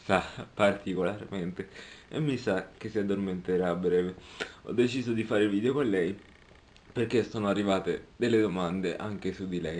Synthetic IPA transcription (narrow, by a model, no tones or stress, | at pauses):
sapːart̪ikolarment̪eemːisak̟esːiad̪ːorment̪eɾabɾɛːveɔ̰d̪ːet͡ʃiːzod̪ifaːɾeilviːd̪eokonlɛj | perk̟esːoːnoarːivaːt̪ed̪elːed̪omand̪eʔaŋk̟esud̪ːilɛj